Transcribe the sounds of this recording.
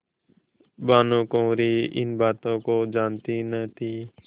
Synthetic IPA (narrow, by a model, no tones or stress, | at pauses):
baːnõːkõːɾiːɪ̰nbaːt̪õːkoːd͡ʒaːnt̪iːnət̪ʰiː